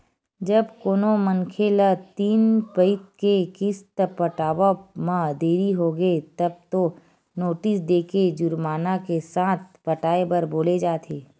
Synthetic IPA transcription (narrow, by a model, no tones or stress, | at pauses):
d͡ʒɐbkoːnomənkʰelat̪iːnpəɪt̪̚kekɪst̪əpəʈaːbamãd̪eːɾiɦoɡəet̪ɐb̚t̪o | noːʈɪsd̪eːked͡ʒʊɾmaːnakesaːt̪̚ʰpɐʈaːebəɾboːled͡ʒaːt̪ʰeː